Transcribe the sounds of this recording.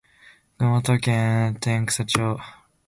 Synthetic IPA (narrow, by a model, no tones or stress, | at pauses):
not̪okʲẽt̪ẽŋkɯ̥sat͡ɕoː